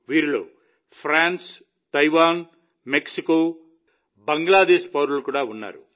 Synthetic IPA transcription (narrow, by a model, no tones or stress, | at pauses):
ʋiːɾilo̰ː | pʰɾaːns | t̪ɐjʋaːn | meksikoː | bɐŋɡlaːd̪eːʃpɐwɾulukuːɽaːunːa̰ːɾṵ